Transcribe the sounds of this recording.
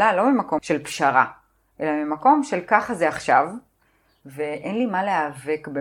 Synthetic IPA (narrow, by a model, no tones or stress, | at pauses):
alo̞mimako̞ʃe̞lpʃaʁa | ʔe̞lamimako̞mʃe̞lkaχazeaχʃav | veʔenlimaleave̞kbe